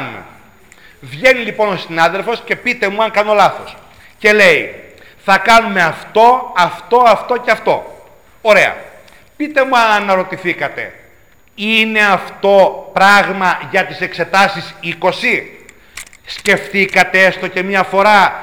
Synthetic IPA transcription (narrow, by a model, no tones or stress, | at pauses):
n | vʝe̞nilipo̞no̞sinɐðe̞lfo̞sce̞pit̪e̞muɐŋkɐno̞lɐθo̞s | ce̞le̞i | θɐkɐnume̞ɐft̪o̞ɐft̪o̞ɐft̪o̞ceɐft̪o̞ | oɾe̞ɐ̰ | pit̪e̞muɐnɐɾo̞t̪iθikɐt̪e̞̰ | ine̞ɐft̪o̞pɾɐɣmɐʝɐt̪ise̞kse̞t̪ɐsisiko̞si | sce̞ft̪ikɐt̪eest̪o̞ce̞mɲɐfo̞ɾɐ